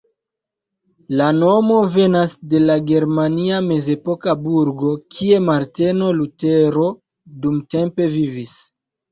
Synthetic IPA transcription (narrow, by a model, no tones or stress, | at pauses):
lano̞mo̞ve̞nasde̞laɡe̞ɾmaniame̞ze̞po̞kabuɾɡo̞kʰie̞maɾte̞no̞luteɾo̞ | dumte̞mpe̞vivis